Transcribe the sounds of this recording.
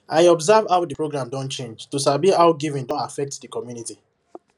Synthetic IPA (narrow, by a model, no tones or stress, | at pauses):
ʔaɪɔbzavhawdəpʰɹoɡɹãmdɔ̃nt͡ʃẽnd͡ʒtusabihawɡivĩndɔ̃nafɛk̚tdəkʰɔmjuniti